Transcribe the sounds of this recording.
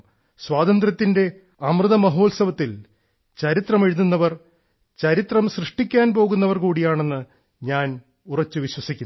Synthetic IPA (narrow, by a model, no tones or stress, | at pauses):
swaːd̪ɐnd̪rɐt̪ːinde̞ | ɐmrɨðɐmɐɦo̞ːlsɐʋɐt̪ːil | t͡ɕɐɾit̪rɐmeɻuðunːɐʋɐr | t͡ɕɐɾit̪rɐmɕrɨʂʈikʲːaːnpo̞ːɣunːɐʋɐrkuːɽijaːɳe̞nːɨ | ɲaːn | urɐt͡ɕːɨʋiɕwɐsikʲːun